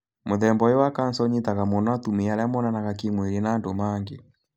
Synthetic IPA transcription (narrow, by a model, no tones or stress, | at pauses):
moðɛmbɔjowakansɔɲetaɣamɔnɔatumeaɾamɔnanaɣakeŋweɾenaːndomaŋɡe